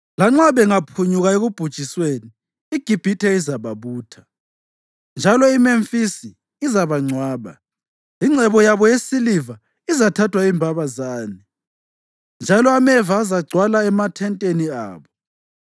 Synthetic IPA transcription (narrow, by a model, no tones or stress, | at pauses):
laŋ͡ǁaβɛŋapʰuɲuɣaeɣub̥ʱud̥ʒ̥ʼʱisweni | iɡ̥ʱib̥ʱitʰɛizaβaβuːtʰḁ | nd͡ʒʱalɔimeɱfisiː | zaβaŋ͡ǀʱwaːβa̰ | iŋ͡ǀʱɛβɔjaβɔjesiliva | izatʰatʰwaimbʱaβazaːni | nd͡ʒʱalɔamɛvaːzaɡ͡ǀʱwalaɛmatʰɛntʼenia̰ːβɔ